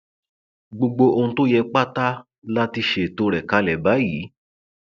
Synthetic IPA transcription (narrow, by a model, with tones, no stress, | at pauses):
ɡ͡bo˧ɡ͡bo˧ʔo˧ũ˧to˦jɛ˧k͡pa˦ta˦ | la˦ti˧ʃe˨to˧˦ɾɛ˨ka˧˦lɛ˨ba˨˦jiː˨˦